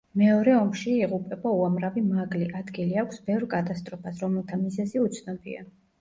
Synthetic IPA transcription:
mɛɔɾɛɔmʃiiʁupʼɛbauamɾavimaɡliʔad̪ɡiliakʷʰsbɛvɾkʼat̪ʼast̪ʼɾɔpʰasɾɔmɛlˠt̪ʰamizɛziut̪sʰnɔbḭa̰

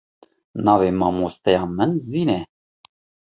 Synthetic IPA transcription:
nɑːvemɑmost̪ɛjɑːmənziːnɛ

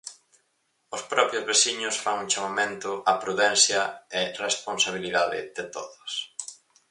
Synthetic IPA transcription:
ʊspɾɔpɾjʊzβesiɲʊsfaŋũŋt͡ʃamamẽnt̪ʊʔapɾuðɛnθjɐɪresponsaβ̞iliðaðɪ̰ðɪt̪o̰ðʊs

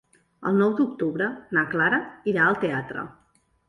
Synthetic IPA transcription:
ə̰lˠnɔwd̪ukt̪uβɾənaklaɾəiɾaəlˠt̪eat̪ɾə̰

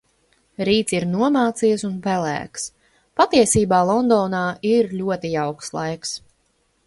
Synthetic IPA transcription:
ɾiːt̪siɾnuɔmaːt̪sijsunpɛlæ̰ːks | pat̪iɛsiːbaːlˠɔnd̪ɔːnaːʔiɾlʲuɔt̪ijawkslˠa̰jks

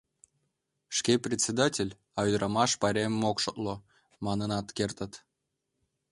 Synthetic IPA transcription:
ʃkeprʲesʲed̪ɑtʲelʲ | ɑyd̪ɾɑmɑʃpɑɾʲemmokʃot̪lo | mɑnənɑt̪kert̪ət̪

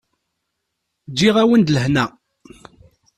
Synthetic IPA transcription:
d͡ʒːiʁæwənd̪ləhnæ

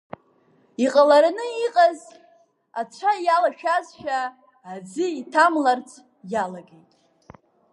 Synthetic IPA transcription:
iqʼalaɾanɨiqʼaz | at͡ʃʷʰajalaʃᶣazʃᶣaː | d͡zɨitʰamlart͡sʰʼ | jalaɡejtʼ

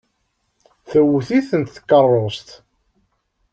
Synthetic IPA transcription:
θəwːθiθənt̪θə̥kːərˤːost̪

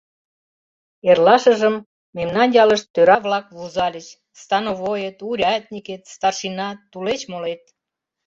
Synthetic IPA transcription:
erlɑʃəʒəmː | emnɑnjɑləʃt̪ːøɾɑβlɑkβuzɑlʲət͡ɕ | st̪ɑnoβojet̪uɾʲɑt̪nʲiket̪st̪ɑrʃinɑt̪ulet͡ɕmolet̪̚

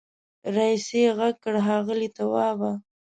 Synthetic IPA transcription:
ɾɑiseɣaɡ̚kəɽɦɑɣəlit̪awɑba

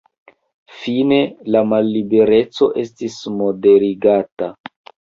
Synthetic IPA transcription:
fine̞lamalːibe̞ɾe̞t͡so̞ʔe̞stismo̞de̞ɾiɡata

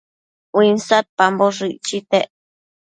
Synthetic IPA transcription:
winsat̪̚pamboʐiʔt͡ʃit̪eʔ

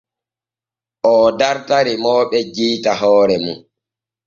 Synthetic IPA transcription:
ʔɔdaɾtaɾimɔːɓɛd͡ʒiːtaɦɔːɾɛmun

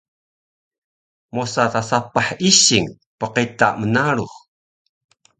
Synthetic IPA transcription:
mosatasapaħiɕiŋ | pəqita̰mənaɽuχ

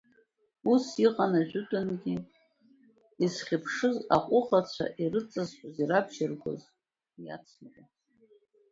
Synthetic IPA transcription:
usiqʼanaʒʷᶣʊtʼanɡʲi | isχʲɪpʰʂɨzaqʷʼʊχat͡ɕʷʰa̰ʔirɨt͡sʼazħʷʼʊziɾapʰʃɪrɡʷo̰z | ja̰t͡sʰnɨkʼa

